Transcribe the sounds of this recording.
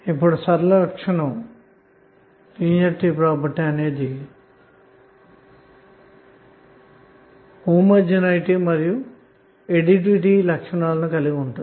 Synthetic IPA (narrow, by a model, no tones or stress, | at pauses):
ipːuɽusɐɾɐlɐkʂɐɳɐm | piːɲɐɾʈipɾaːpɐɾʈːiɐne̞ːd̪i | huːmɐɾd͡ʒɐnɐjiʈimɐɾiju | eɖiʈ̬ʋiʈiːlɐkʂɐɳaːlɐnukɐliɡiuɳʈun